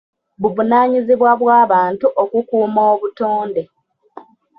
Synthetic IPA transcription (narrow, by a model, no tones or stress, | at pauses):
βuvunaːɲiziβwaβwaːβaːntuʔokukuːmoːβutoːnde̞